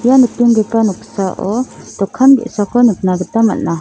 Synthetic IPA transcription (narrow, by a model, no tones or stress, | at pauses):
ijanɯtinɡepanɔksaʔɔt̪ɔkʰːanɡḛʔsakʰɔnɯp̚naɡɯt̪ama̰nːa